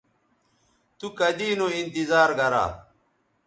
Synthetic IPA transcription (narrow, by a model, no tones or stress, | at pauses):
t̪ukɐd̪iːnoint̪izaːɾɡɐɾa̰ː